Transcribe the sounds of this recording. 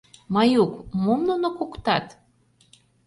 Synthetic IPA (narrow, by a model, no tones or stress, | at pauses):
mɑjukmomnunokokt̪ɑt̪